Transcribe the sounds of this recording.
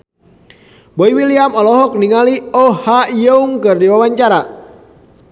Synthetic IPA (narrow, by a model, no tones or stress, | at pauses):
boiwiliamɔlɔɦɔk̚niŋaliɔhajəuŋkɨrdiwawaɲt͡ʃaɾa